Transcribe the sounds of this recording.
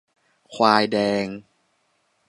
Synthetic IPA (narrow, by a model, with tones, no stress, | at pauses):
kʰwaː˧jdɛː˧ŋ